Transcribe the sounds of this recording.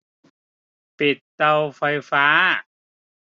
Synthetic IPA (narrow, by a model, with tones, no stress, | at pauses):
pi˨˩t̪̚ːa˧wfa˧jfaː˦˥